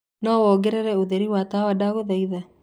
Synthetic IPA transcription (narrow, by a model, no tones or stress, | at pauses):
nɔwɔɡɛɾeɾɛoðeɾiwatawadaɣoðaiða